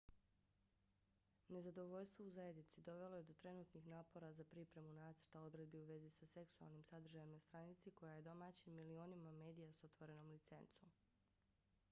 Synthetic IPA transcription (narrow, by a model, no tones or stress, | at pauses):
ne̞zad̪o̞ʋo̞ʎst̪ʋo̞uzaje̞d̪nit̪sid̪o̞ʋe̞lˠo̞je̞d̪o̞t̪ɾe̞nuːt̪nixnaːpo̞ɾazapɾipɾe̞munaːt̪sə̥ɾ̥t̪ao̞d̪ɾe̞d̪̚biuʋe̞zisase̞ksua̰lˠnimsad̪r̩ʒajemnast̪ɾanit̪siko̞jaje̞d̪o̞maːt͡ɕimːilio̞ːnimame̞ːd̪ijasot̪ʋoɾe̞no̞mlit̪se̞̰nt̪som